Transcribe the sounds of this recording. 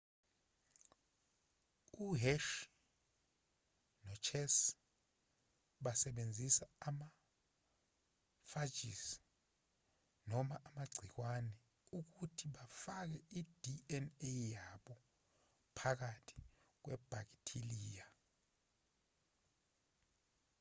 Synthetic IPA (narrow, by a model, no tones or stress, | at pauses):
uɦɛʃ | nɔt͡ʃʰɛs | ɓasɛɓend͡zʱisaːma | fad͡ʒʱḭs | nɔmaʔamaɡ͡ǀʱik̬wanɛ | uk̬utʰiɓafak̬ɛid̥ʱiɛnejaɓɔ | pʰak̬atʰi̥k̬wɛb̥ʱak̬itʰiliːja